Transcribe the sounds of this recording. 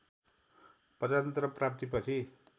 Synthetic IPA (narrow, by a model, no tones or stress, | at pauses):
pʌd̪at̪ʌnt̪rʌprap̚t̪ipʌt͡sʰi